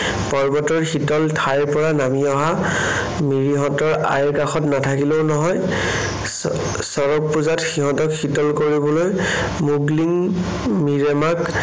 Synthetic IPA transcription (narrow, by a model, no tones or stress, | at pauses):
pɔɹbɔtɔɹxitɔltʰajpɔɹanamiɔɦa | miɹiɦɔ̃tɔɹa̰jɹkaxɔtnatʰakileʊnɔɦɔj | sɔɹɔk̚puzatxiɦɔ̃tɔkxitɔlkoɹibɔlojmuɡliŋ | miɹɛmak